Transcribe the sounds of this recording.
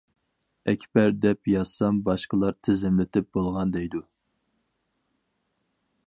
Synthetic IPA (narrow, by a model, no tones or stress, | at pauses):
ɛkʲʰpæɾd̪ɛpjɑz̥sɑmbɑʃqəlˠɑɾt̪ʰɪzɪmlɪt̪ʰɪp̚bolˠʁɑnd̪ɛjd̪u